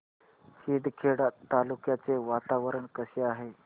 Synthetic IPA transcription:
ɕiːɖkʰeɽat̪ːalukjat͡seʋat̪aʋəɾəɳkəɕeaɦe

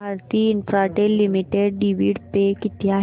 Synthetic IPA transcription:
aɾt̪iːinfɾaʈelimiʈeɽɖiʋiɽpekit̪jaɦ

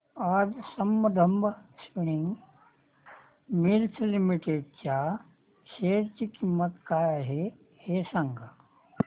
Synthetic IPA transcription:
aːd͡zsɐmːəd̪ʱəmbəspiniŋɡ | milt̪ʰlimiʈeɖt͡ɕa | ʃeːɽkiːkimːət̪kaːjaɦe | hesaŋɡʱa

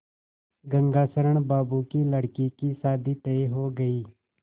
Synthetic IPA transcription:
ɡɐ̃ŋɡaːsəɾəɳ̃baːbukiləɽkikisaːd̪it̪eeɦoːɡɐiː

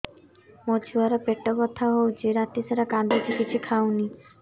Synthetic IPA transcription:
mot͡ʃʰuaɾapeʈːɔbɔt̪ʰːaɦowt͡ʃʰeɾat̪isaɾakãd̪ʱɔt͡ʃikit͡ʃʰikʰawni

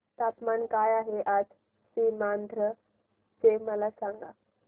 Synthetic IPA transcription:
t̪apmankajaɦeʔad͡z | siːmand̪ʱɾə | t͡seməlasaŋɡa̰

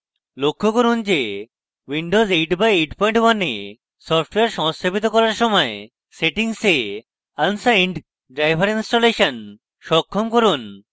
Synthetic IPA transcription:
lokʰːokoɾund͡ʑe | wiɳɖozejʈbajejʈpɔjiɳʈwane | sɔpʰʈweaɾʃɔmst̪obit̪̬okɔɾaɾʃɔmɔe | seʈiŋse | ansaiɳɖ | ɖɾajbʱaɾinsʈoleʃan | ʃɔkʰːɔmkoɾun

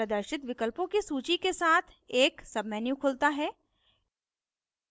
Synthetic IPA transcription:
əd̪əɾʃɪt̪ʋɪkəlpõkisuːt͡ʃikesaːt̪ʰ | eːksɐbmɛːnjũkʰʊlt̪aɦɛː

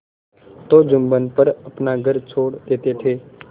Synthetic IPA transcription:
t̪oːd͡ʒʊmbənpəɾəpnaɡʱəɾt͡ʃʰoːɽd̪eːt̪et̪ʰeː

